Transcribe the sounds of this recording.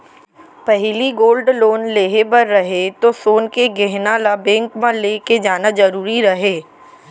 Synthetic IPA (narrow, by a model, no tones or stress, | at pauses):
pɛɦliɡoːlɖloːnleːɦebɐɾːɐɦet̪osoːnkeɡɛɦnalabɛ̃ːŋkmãleːked͡ʒaːnad͡ʒɐɾuːɾiɾɐɦeː